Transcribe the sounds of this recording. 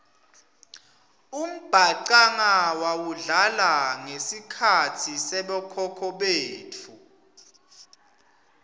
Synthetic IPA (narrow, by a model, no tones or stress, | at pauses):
um̩b̥ʱaǀaŋawawuɮalaŋesikʰatʰisɛɓɔkʰɔkʰɔɓeːtʰu